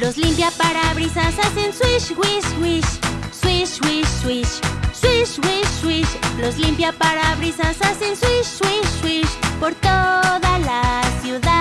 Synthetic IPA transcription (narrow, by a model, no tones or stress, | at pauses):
loslimpjapaɾaβɾisasasenswiʃɡwiʃwiʃswiʃwiʃswiʃswiʃwiʃwiʃloslimpjapaɾaβɾisasasenswiʃwiʃwiʃpoɾt̪oðalasjuða